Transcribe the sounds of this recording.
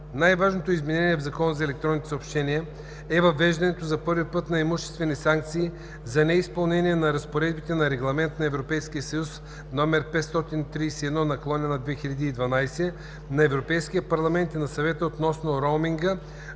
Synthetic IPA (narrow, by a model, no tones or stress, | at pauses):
najvaʒnot̪oizmɛnɛniɛvzɐkɔnəzɐɛlɛk̚t̪ɾɔnit̪ɛ̥sopʃt̪ɛniə | ɛvɐvɛʒd̪ɐnɛt̪ozɐpɤɾvipɤt̪nɐɛmuʃt̪ɛst̪vɛnisaŋk̚t̪siː | zɐnɛispɐlˠnɛnʲiɛnɐɾɐspoɾɛd̪bit̪ɛnɐɾɛɡlˠɐmɛnt̪nɐɛvɾopɛjskiəsɐjus | nɔmɛɾpɛt̪st̪ɔt̪int̪ɾijsɛɛd̪nɔnɐkolˠɔnʲənɐd̪vɛxilʲʎʲɐd̪iːd̪vɐnajsɛ | nɐɛvɾopɛjsk̟ijəpɐɾlˠɐmɛnt̪inɐsɐvɛt̪əot̪nɔsnoɾomiŋɡə